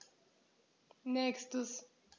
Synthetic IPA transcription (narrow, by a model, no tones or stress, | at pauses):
nɛkstəs